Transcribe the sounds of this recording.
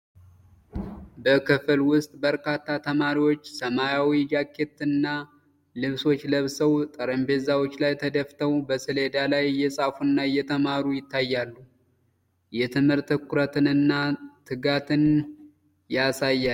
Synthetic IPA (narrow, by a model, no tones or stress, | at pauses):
bəkɨfɨlwʊst̪ʼbəɾkʰat̪ːat̪ʰəmaɾiwo̞t͡ʃːsəmajawid͡ʒakʰːe̞t̪ɨnːa | lɨβso̞t͡ʃːləβsəwt̪ʼəɾəmbe̞zawo̞t͡ʃːlajt̪ʰəd̪əft̪ʰəwbəsɨle̞d̪alajːɛsʼafunːajɛt̪ʰəmaɾujɪt̪ːajːalːu | jɛt̪ʰɨmhɨɾt̪ɨkʰuɾət̪ɨnɨnːat̪ʰɨɡat̪ʰɨn | jasajːa